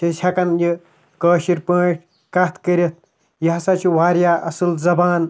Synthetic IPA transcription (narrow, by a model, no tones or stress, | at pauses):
ɐsʲʰɐkɐnji | kəːʃiɾʲpəːʈʰʲ | kɐt̪ʰkəɾʲit̪̚ | jɐɦɐsɐt͡ʃʰiwaːɾjaːʔɐsɨlzɐbaːn